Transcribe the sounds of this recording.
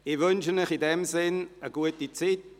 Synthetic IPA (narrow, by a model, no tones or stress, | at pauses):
ɪvʏnʃəmɪχɪdɛmzɪnəɡuətit͡sit̚